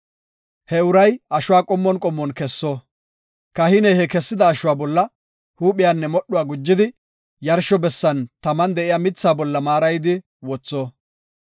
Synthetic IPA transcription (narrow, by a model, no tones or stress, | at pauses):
hɛʊɾɐjɐʃʊwaːkʼɔmːɔnkʼɔmːɔnkɛsːɔ | kɐhɪnɛhɛkɛsːɪd̪ɐːʃʊwaːbɔlːɐ | huːpɪjanːɛmɔɗːʊwaːɡʊd͡ʒːɪd̪ɪ | jɐɾʃɔbɛsːɐnt̪ɐmɐnd̪ɛʔɪjamɪt͡sːaːbɔlːɐmaːɾɐjd̪ɪ | wɔt͡sːoː